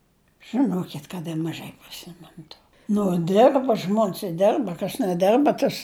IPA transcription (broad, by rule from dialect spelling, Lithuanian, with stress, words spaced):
ʒɨnoːkʲɪt kɐt ɪr mɐˈʒɐɪ pʲrʲɪˈsʲɪmʲɛnʊ toː ˈnʊ ˈdʲɪrbɐ ˈʒmoːnʲs ɪ ˈdʲɪrbɐ kɐs nʲɛˈdʲɪrbɐ ˈtɐs